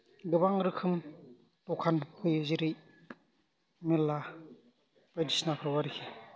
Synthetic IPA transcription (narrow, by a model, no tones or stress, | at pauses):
ɡɯbaŋɾɯkʰɯm | tɔkʰankʰɯjɯziɾɯj | melːa | pajdisnakʰɾɔwaɾikʰi